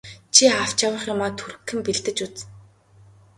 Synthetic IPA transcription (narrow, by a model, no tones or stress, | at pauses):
t͡ɕʰiaw̥t͡ɕawə̆χjʊmaːt̪ʰuɾɘ̆kʰːɘ̆mpiɮt̪ɘ̆t͡ɕut͡s